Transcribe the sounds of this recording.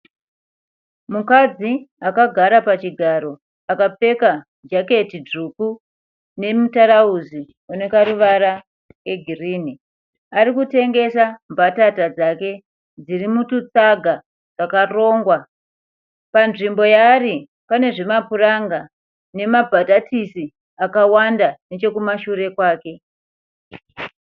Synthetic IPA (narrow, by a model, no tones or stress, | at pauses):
mukad͡ziakaɡʱaɾapat͡ʃiɡʱaɾo̞ | akap͡fe̞ka | d͡ʒake̞tiduku | ne̞mutaɾauzi | one̞kaɾuʋaɾa | e̞ɡʱiriːni | aɾikute̞ŋɡe̞sambatatad͡zake̞ | d͡zirimutut͡saɡʱa | d͡zakaro̞ːŋɡwa | panʐimbo̞jaːri | pane̞ʐe̞mapuraŋɡa | ne̞mabʱatatisi | akawandanet͡ʃe̞kumaʃuɾe̞kwaːke̞